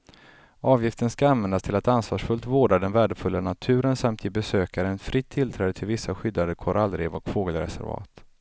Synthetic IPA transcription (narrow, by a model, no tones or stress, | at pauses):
ɑːvjɪft̪ənskaanvɛnd̪ast̪ʰɪlat̪ansvɑːʂfɵlt̪voːɖad̪ɛnvæːɖəfɵlːanat̪ʰʉ̟ːɾənsamt̪ʰɪbɛsøːkaɾəɛnfɾɪt̪ʰːɪlt̪ʰɾɛːd̪ət̪ʰɪlvɪsːaɧʏd̪ːad̪əkʰɔɾʔalːɾeːvɔkfoːɡəlɾɛ̰sæ̰ɾvɑ̰ːt̪